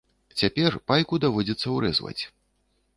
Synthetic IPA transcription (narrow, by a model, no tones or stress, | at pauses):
t͡sʲapʲɛrpajkud̪avɔd͡zʲɛt̪sːɐwɾɛ̰zvɐ̰t͡sʲ